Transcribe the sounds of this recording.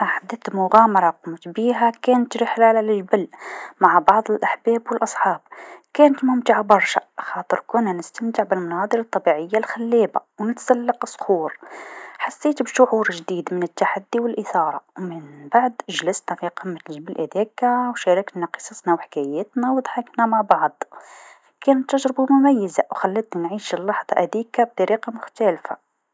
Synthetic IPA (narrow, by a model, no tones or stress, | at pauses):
ʔaħad̪ːət̪mʊɣæmɑɾˤɑqʊmt̪biɦækænt̪ɾəħlaʕlalʒbəlmaʕbɑʕðˤəlʔaħbæːbwəlʔɑsˤħɑːb̚kæːnət̪mʊmt̪aʕabɑɾˤʃa̰xɑːt̪ˤəɾkunːænəst̪əmt̪ɪʕbəlmɑnɑd̪ˤəɾɑt̪ˤːɑbiʕəjːalxælːebawnət̪salːɑqsˤːxuːɾħasːet̪bʃʊʕuɾʒd̪id̪mənət̪ːaħad̪ːiwəlʔəθɑɾˤɑwmənbaʕd̪ʒləsnæfiqəmːət̪ʒbəlʔæd̪ikawʃæɾɑknæqə̥sˤɑsnawħḁkæjæt̪næwd̪ˤħəknæmaʕbɑʕd̪ˤ | kænt̪ːəʒɾbumʊmæjːəzawxælːət̪nanʕiʃlːɑħd̪ˤɑʔæd̪ikab̚t̪ˤɑɾiqɑmʊxt̪ælfa̰